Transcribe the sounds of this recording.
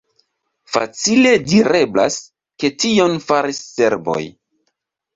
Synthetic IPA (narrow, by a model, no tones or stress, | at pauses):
fa̰t͡sile̞diɾe̞bla̰s | ke̞tio̞nfaɾisːe̞ɾbo̞̰j